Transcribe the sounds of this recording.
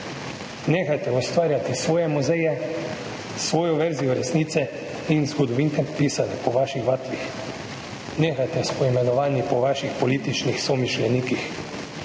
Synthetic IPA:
neːxajt̪ɛɔst̪ʋaːɾjat̪isʋoːjɛmuzɛjɛ | sʋoːjɔʋɛɾzijɔɾɛsniːt̪sɛ | inzɡɔd̪ɔʋint̪ɛpiːsanɛpɔʋaːʃixʋat̪ʋix | neːxajt̪ɛspɔimɛnɔʋaːnipɔʋaːʃixpɔliːt̪it͡ʃnixsɔmiʃlɛniːkix

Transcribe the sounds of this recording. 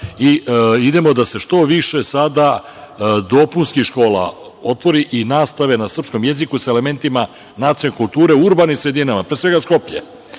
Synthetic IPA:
iid̪e̞mo̞d̪ase̞ʃt̪o̞ʋiʃe̞sad̪a | d̪o̞punskiʃko̞ːlˠa̰ | o̞t̪ʋo̞ɾiʔinaːst̪aʋe̞nasr̩psko̞mje̞zikusaele̞me̞nt̪ima | nat̪sonekulˠt̪uːɾe̞uɾbanimsɾe̞d̪inamapɾesʋeɡasko̞pʎḛ

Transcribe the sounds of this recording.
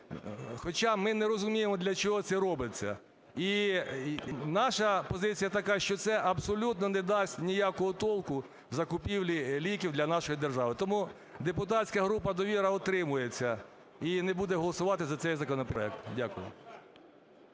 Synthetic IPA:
xɔt͡ʃɑmɪnɛɾɔzʊmʲijemɔd̪lʲɐt͡ʃɔɦɔt̪sɛɾɔbɪt͡sʲːɐ̰ | i | nɑʃɐpɔzɪt͡sʲijɐt̪ɐkɑʃt͡ʃɔt̪sɛʔɐbsɔlʲut̪nɔnɛd̪ɑsʲtʲnʲijakɔɦɔt̪ɔlˠkʊ | zɐkʊpʲiwlʲilʲikʲiwd̪lʲɐnɑʃɔjid̪erʒɑʋɪt̪ɔmu | d̪epʊt̪ɑt͡sʲkɐɦɾupɐd̪ɔʋʲiɾɐɔt̪ɾɪmʊjet͡sʲːɐ | inebud̪ɛɦɔlˠɔsʊʋɑt̪ɪzɐt̪sɛjzɐkɔnɔpɛ̰k̚t̪dʲakʊjʊ̰

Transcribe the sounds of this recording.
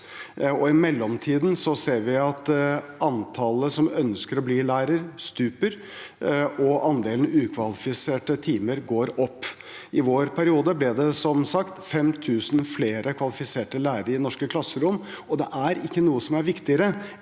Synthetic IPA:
ɔɪmɛlːɔmt̪ʰiːd̪n̩sɔseːɾʋɪɑt̪ɑnt̪ʰɑləsɔmœnskəɾɔbliːlæːɾəɾst̪ʉːpəɾ | ɔʔɑnd̪eːlnʉːkʰʋɑlɪfɪseːʈət̪ʰiːməɾɡoːɾɔpː | ɪʋoːɾpʰæɾɪuːd̪əblɪd̪ɛsɔmsɑkt̪fɛmt̪ʰʉːsnfleːɾʔəkʰʋɑlɪfɪseːʈəlæːɾəɾɪnɔʂkəkʰlɑsːəɾʊmː | ɔd̪ɛʔæɾɪkːənuːəsɔmæɾʋɪkt̪ɪəɾə

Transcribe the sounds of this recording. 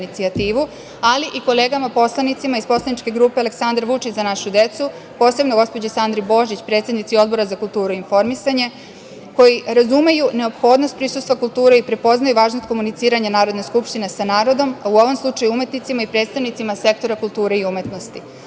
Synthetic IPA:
nit̪siat̪iːʋu | aliʔikoleːɡamapo̞slˠanit̪simaispo̞slˠanit͡ʃke̞ɡɾuːpealeksand̪aɾʋut͡ʃit͡ɕzanaʃud̪e̞t̪su | po̞ːse̞bnoɡo̞spod͡ʑisand̪ɾibo̞ʒit͡ɕpɾet̪sed̪nit̪sio̞d̪̚bo̞ɾazakulˠt̪uːɾuinfo̞ɾmisaɲe̞ | ko̞jiɾazume̞june̞o̞pxo̞d̪nost̪pɾisust̪ʋakulˠt̪uːɾeipɾe̞po̞znajuʋaːʒnost̪̚ko̞munit̪siːɾaɲanaːɾod̪neskupʃt̪inesanaːɾo̞d̪o̞mauo̞ʋomslˠut͡ʃajuume̞t̪nit̪simaipɾet̪st̪aʋnit̪simase̞k̚t̪o̞ɾakulˠt̪uːɾeiume̞t̪nost̪i

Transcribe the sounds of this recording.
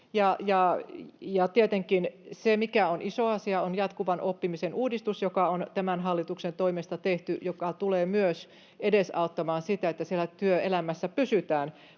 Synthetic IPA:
jɑjɑ | jɑt̪iet̪eŋkinsemikæonisoɑsiɑonjɑt̪kuʋɑnʔopːimisenuːdist̪usjokɑont̪æmænɦɑlːit̪uksent̪oimest̪ɑt̪eht̪yjokɑt̪uleːmyøs | edesɑut̪ːɑmɑːnsit̪æet̪ːæsielːˑæt̪yøelæmæsːæpysyt̪æːn

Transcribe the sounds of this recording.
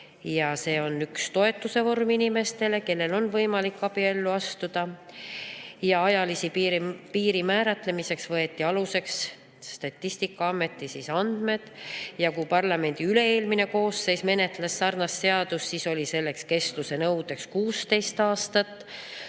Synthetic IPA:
jɑse̞ːo̞nykst̪o̞e̞t̪ːˑuse̞vo̞rminime̞st̪e̞le̞ke̞lːe̞lo̞nvɤjmɑlikːɑb̥ie̞lːuɑst̪ud̪̥ɑ | jɑɑjɑlisippiːɾimæːɾɑt̪le̞mise̞ksvɤe̞t̪ːˑiɑluse̞ks | sːt̪ɑt̪ʲˑːist̪ikːˑɑɑmːe̞t̪ˑːisisɑnd̪̥me̞d̪̥jɑkupɑrlɑme̞nʲd̪̥iyle̞eːlmine̞ko̞ːsːe̞jsme̞ne̞t̪ˑlesːɑrnɑsːe̞ɑd̪̥usːiso̞lʲise̞lːe̞kske̞st̪luse̞nɤwd̪̥e̞kskuːst̪e̞jst̪ɑːst̪ɑt̪ːˑ

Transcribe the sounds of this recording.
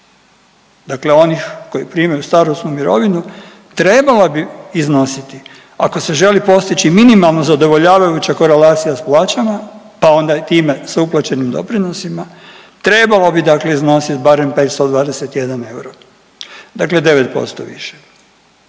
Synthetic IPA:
d̪akle̞o̞nixko̞jipɾiːmajust̪aɾost̪numiɾo̞ʋinu | t̪ɾe̞balabiːzno̞sit̪i | a̰ko̞se̞ʒe̞lipo̞st̪it͡ɕiminimalˠnozad̪o̞ʋo̞ʎaːʋajut͡ɕako̞ɾe̞laːt̪sijasplaːt͡ɕama | pao̞nd̪ait̪iːme̞sauplˠat͡ɕe̞nimd̪o̞̰pɾino̞sima | t̪ɾe̞balobid̪akle̞izno̞sit̪baɾe̞mpe̞ːt̪st̪od̪ʋaːd̪e̞set̪je̞d̪ane̞uɾo | d̪akle̞d̪e̞ʋe̞t̪̚po̞̰st̪o̰ʋḭʃe

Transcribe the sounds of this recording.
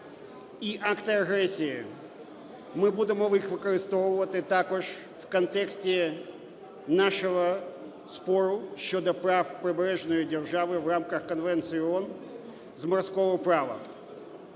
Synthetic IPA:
iʔakt̪ɪɐɣɾɛsʲijɪ̰ | mɪbud̪ɪmɔʋixʋɪkɔɾɪst̪ɔʋʊʋɐt̪ɪt̪akɔʒ | fkɐnt̪ɛksʲtʲɪ | naʃɔɦɔ | spɔɾʊʃʲt͡ʃɔd̪ɔpɾafpɾɪbɾɛʒnɔjidʲɛrʒaʋɪʋramkɐxkɐnʋɛnt̪sɨjɔn | zmɐrskɔɦɔpɾɑʋɐ̰

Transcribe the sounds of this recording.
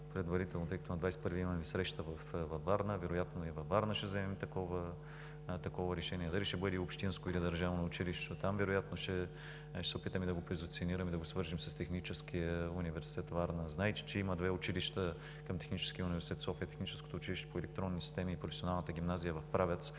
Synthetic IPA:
pɾɛd̪vɐɾit̪ɛlˠnot̪əjkɐt̪ʊnɐd̪vajspɤɾviimɐmisɾɛʃt̪əvɐfvɐvaɾnəvɛɾʊjat̪noivɐvaɾnəʃɛzɛmɛmt̪ɐkɔvə | t̪ɐkɔvəɾɛʃɛniɛd̪ɐliʃɛbɤd̪iopʃt̪inskoid̪id̪ɐɾʒavonɐʊt͡ʃiliʃtt̪ot̪amvɛɾojat̪noʃɛ | ʃɛsɛopit̪əmid̪ɐɡopɾɛzʊt̪sioniɾəmid̪ɐɡosvɤɾʒimsɐst̪ɛxnit͡ʃɛskijəunivɛɾsi̥t̪ɛt̪vaɾnəznajt̪ʲi̥t͡ʃɛiməd̪vɛʊt͡ʃiliʃt̪ə | kɐmt̪ɛ̥xnit͡ʃɛ̥skijəʊnivɛɾsʲit̪ɛt̪sɔfiət̪ɛxnit͡ʃɛskot̪oʊt͡ʃiliʃt̪ɛ̥poɛlɛk̚t̪ɾɔnːisist̪ɛmiːpɾofɛsionalˠnət̪əɡʲimnazijəvɐfpɾavʲɛt̪s

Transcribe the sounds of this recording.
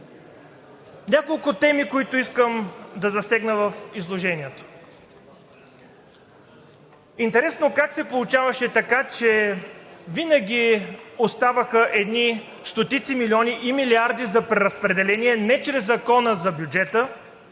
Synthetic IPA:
nʲakolˠkʊt̪ɛmikoit̪ʊiskəmd̪ɐzɐsɛɡnəvəfizlˠoʒɛniɛt̪o̥ | int̪ɛɾɛsnokaksɛpolˠʊt͡ʃavɐʃɛt̪ɐkat͡ʃɛ | vinəɡ̟ʲiost̪avəxəʔɛd̪ni | st̪ot̪it̪similʲiɔniʔimiliaɾd̪izɐpɾɛɾɐspɾɛd̪ɛlɛniɛnɛt͡ʃɾɛzːɐkɔnəzɐbjud͡ʒɛt̪ə

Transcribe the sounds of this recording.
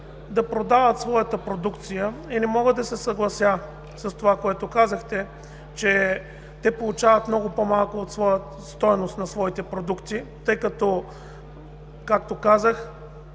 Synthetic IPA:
d̪ɐpɾod̪avət̪svɔjət̪əpɾod̪ukt̪sijəinɛmɔɡəd̪ɐsɛsɐɡlˠɐsja | sɐst̪ovakoɛt̪okazəxt̪ɛ | t͡ʃɛ | t̪ɛpolˠut͡ʃavət̪mnɔɡʊpomalˠkʊːt̪svɔjə | st̪ɔjnost̪nɐsvɔit̪ɛpɾod̪ukt̪it̪ɤjkɐt̪ɔ | kak̚t̪okazəx

